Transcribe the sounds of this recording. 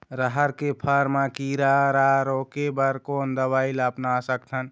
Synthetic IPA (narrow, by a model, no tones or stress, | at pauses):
ɾəɦəɾkepʰəɾmãkiɾaɾaɾokebəɾkoːnd̪əbailəpnasək̚t̪ʰən